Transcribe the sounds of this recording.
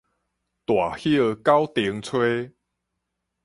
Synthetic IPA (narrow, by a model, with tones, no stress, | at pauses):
t̪wa˨˩hi˦ə˧ka˦wt̪i˨əŋt͡sʰwe˦